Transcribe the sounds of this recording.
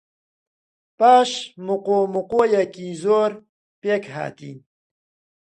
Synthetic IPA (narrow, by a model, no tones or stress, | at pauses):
paːɕmuqomuqoːjakizoːɾ | pekɦa̰ːt̪ḭn